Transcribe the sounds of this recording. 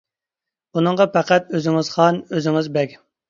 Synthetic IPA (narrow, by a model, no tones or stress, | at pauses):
bunɨŋʁɑpæqæt̪̚øzɪŋɪz̥χɑnøzɪŋɪzbɛkʲ